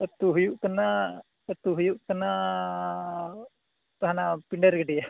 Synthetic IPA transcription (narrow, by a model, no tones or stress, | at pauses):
ət̪uɦujuʔkana | ət̪uɦujuʔkɐna | t̪aɦanapiɳɖɛɾɡɛɖija